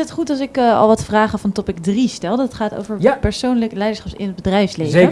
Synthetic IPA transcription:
ətχutɑsɪkɑ̰lˠʋɑtfraːχəvɑntɔpɪkdristɛlˠdəɑtχaːto̰wvəɹpɛɹsownləklɛjdəɹsχɑpsɪ̰nɦəd̚bədrɛjfslejə

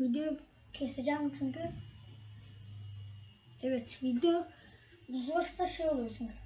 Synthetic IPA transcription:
vid̪ejo | cʰesed͡ʒæːmt͡ʃʰyɲkʲy | ɛvɛt̪vid̪eo | uzlˠaɾsaʃejo̞lˠujot͡ʃʰyɲkʰy

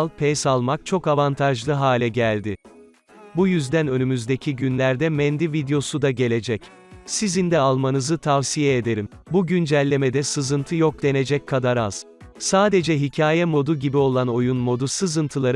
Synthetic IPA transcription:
lˠpʰɛjsalˠmak̚t͡ʃʰo̞kavant̪ʰaʒlˠɯɦaːlʲɛɟælʲd̪ɪ | bujyzd̪ænø̞nymyzd̪ecʰiɟynlʲæɾd̪ɛmɛnd̪ivid̪ejo̞sud̪aɟe̞lʲe̞d͡ʒɛc | sizind̪ɛalˠmanɯzɯt̪ʰavsijɛed̪e̞ɾim | buɟynd͡ʒælʲːe̞med̪ɛsɯzɯnt̪ʰɯjo̞k̚d̪e̞ne̞d͡ʒɛc̚kʰːad̪aɾa̰z̥ | saːd̪e̞d͡ʒɛɦicʰaːjɛmo̞d̪uɟibio̞lˠano̞junmo̞d̪usɯzɯnt̪ʰɯlˠaɾ

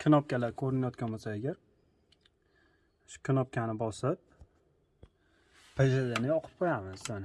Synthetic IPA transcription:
kʲʰɪnɒp̚kʲalaɾkʰɵɾɪnajɒt̪̚kʲʰanmasaaɡʲaɾ | ʃʊ̥kʲʰɪnɒp̚kʲʰanɪbɒsɪp̚ | ed͡ʒad̪anɪɒqʰɨ̥p̚qʰojamɪz̥san

